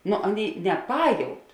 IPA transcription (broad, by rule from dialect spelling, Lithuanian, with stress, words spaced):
ˈnʊ ˈɑːˌnʲeːɪ nʲɛˈpɑːjɛʊt